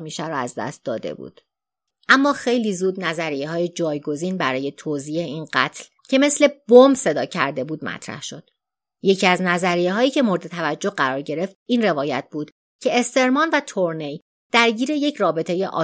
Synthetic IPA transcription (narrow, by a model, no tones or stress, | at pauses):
miːʃæɾɔæzd̪æ̰st̪̚d̪ɒ̰ːd̪e̞̰bṵːd̪̥ | ʔæmːɒːxe̞jliːzuːd̪næzæɾijeɦɒːjed͡ʒɒːjɡo̞ziːnbæɾɒːje̞t̪ʰoziːeiːnɢæt̪ʰl | cʰe̞me̞sle̞bombse̞d̪ɒːcʰæɾd̪e̞buːd̪mæ̰t̪ʰɾæ̰hʃo̞d̪̥ | je̞cʰiæznæzæɾijeɦɒːjiːcʰe̞mo̞ɾed̪e̞t̪ʰævæd͡ʒːo̞ɢæɾɒːɾɟe̞ɾe̞ft̪̚iːnre̞vɒːjæt̪̚ʰbuːd̪̥ | cʰe̞ːst̪e̞ɾmɒːnvæt̪ʰoɾnej | d̪̥æɾɟiːɾe̞je̞cʰrɒːbe̞t̪ʰe̞jeʔɒ̰ː